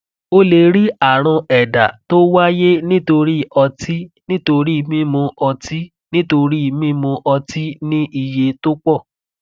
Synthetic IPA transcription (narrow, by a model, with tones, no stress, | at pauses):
o˦le˧ɾi˦a˦˨ɾ̃ã˧ɛ˨da̰˨to˦wa˦je˦nĩ˦to˧ɾi˦˨ɔ˧ti˦nĩ˦to˧ɾi˦˧mĩ˦mõ˧ʔɔ˧ti˦ | nĩ˦to˧ɾi˦˧˨mĩ˦mõ˧ʔɔ˧ti˦nĩ˦ʔi˧je˧to˦k͡pɔ˦˨